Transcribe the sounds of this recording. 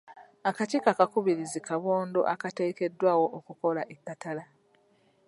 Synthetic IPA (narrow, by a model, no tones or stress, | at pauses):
akaceːkakakuβiɾizikʰaβo̞ːndo̞̰ʔakate̞ːke̞dːwaːwo̞ʔːkuko̞laʔikːatala